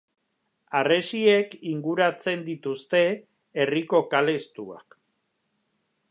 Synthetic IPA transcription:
are̞sie̞kiŋɡuɾat͡se̞nd̪it̪ust̪e̞ː | riko̞kale̞st̪ua̰k

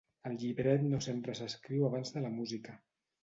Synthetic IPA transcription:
əlˠʎiβɾɛt̪nosempɾəsəskɾiwaβ̞anzðələmuzikə

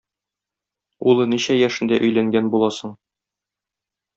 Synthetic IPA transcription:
ulˠɤniɕæjæʃɘ̆nd̪æʔɵ̆jlæŋɡænbulˠɑsɤ̆ɴ

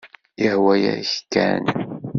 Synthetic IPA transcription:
ihwæjæ̰ç̥kːæ̰n

